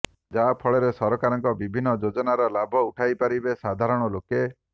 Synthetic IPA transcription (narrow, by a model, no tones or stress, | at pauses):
d͡ʒapʰɔɭeɾesɔɾɔkaɾɔŋkɔbibʱinːɔd͡ʒod͡ʒɔnaɾɔlabʱɔuʈʰajpaɾibesad̪ʱaɾɔɽ̃ɔloke